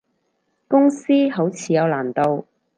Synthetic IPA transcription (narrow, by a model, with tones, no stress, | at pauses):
kʊ˥ŋsiː˥ɦo˨˥wt͡sʰiː˨˧jɐ˨˧wlaː˨˩nt̪o˧w